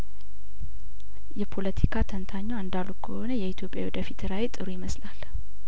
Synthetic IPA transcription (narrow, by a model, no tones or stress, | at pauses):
jɛpʰo̞lət̪ʰikʰat̪ʰənt̪ʰaɲːaɨnd̪alukʰəho̞nəjɛit̪ʰjo̞pʼːja̰wɔd̪əfit̪ʰɨɾawet̪ʼɨɾujɪməslal